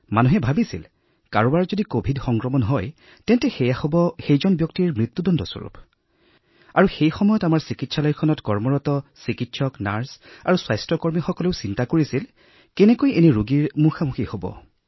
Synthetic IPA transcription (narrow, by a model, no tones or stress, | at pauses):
manuɦɛbʱabisḭl | kaɹɔbaɹzodikobʱidxɔŋkɹɔmɔnɦɔj | tɛntɛxɛjaxobɔxejzɔnbjɔk̚tiɹmɹit̪ːudɔndʱɔsɔ̰ɹṵp | aɹuxejxɔmɔjɔtamaɹsikitsʰalɔjkʰɔnɔtkɔɹmɔɹɔtɔsikitsʰɔkna̰ɹsa̰ɹuswajstɹɔkɔɹmixɔkɔleʊsintakoɹisil | kɛnɛkojeniɹuɡiɹmuxamuxihobɔ̰